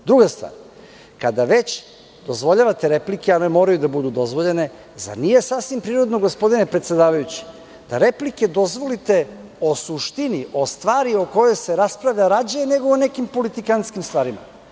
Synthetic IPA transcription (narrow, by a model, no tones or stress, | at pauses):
d̪ɾuɡast̪va̰ːɾ | kad̪aʋe̞t͡ɕ | d̪̥o̞zʋo̞ʎaʋat̪eɾe̞plikeanemo̞ːɾajud̪abud̪ud̪o̞zʋo̞ʎe̞ne̞ | za̰ɾnije̞sasʋimpɾiːɾo̞d̪noɡospo̞d̪inepɾet̪sʲed̪aːʋajut͡ɕi̥ | d̪̥aɾe̞plike̞d̪o̞zʋo̞lit̪e̞o̞suʃt̪iniʔo̞st̪ʋaːɾioko̞jo̞jse̞ɾaspɾaʋʎaɾad͡ʑajene̞ɡoone̞kimpo̞lit̪ikanskimst̪ʋaːɾima̰